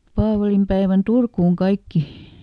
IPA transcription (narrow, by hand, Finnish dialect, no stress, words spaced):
pɑːʋɑlimpæeʋæn turkuːŋ kɑikːi